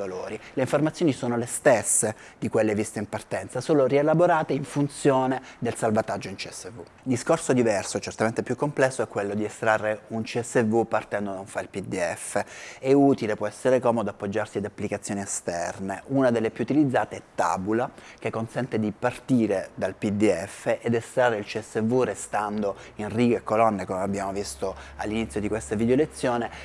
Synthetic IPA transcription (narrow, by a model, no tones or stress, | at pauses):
aloːɾileiɱformat̪sjonisoːnolest̪esːed̪ikwelːevist̪eimpart̪ɛnt̪sasoːlorielaboɾaːt̪eiɱfunt̪sjoːned̪elsalvat̪ad͡ʒːoint͡ʃiɛsːevu | d̪iskorsod̪ivɛrsot͡ʃert̪ament̪epjukːomplɛsːoɛkːwelːod̪iest̪ɾarːeunt͡ʃiɛsːevupːart̪ɛnd̪od̪auɱfailpid̪iɛfːeɛut̪ilepwɔɛsːeɾekɔːmod̪oapːod͡ʒːarsiad̪apːlikat̪sːjoːniest̪ɛrneʔunad̪elːepjuːt̪ilid̪zːaːt̪eɛt̪ːa̰bulak̟ekːonsɛnt̪ed̪ipart̪iːɾed̪alpid̪iɛfːeʔed̪est̪ɾarːeilt͡ʃiɛsːevurest̪and̪oinriːɡekːolɔnːekomeabːjaːmovist̪oalːinit̪sjod̪ikwest̪avid̪eolet̪sːjoːne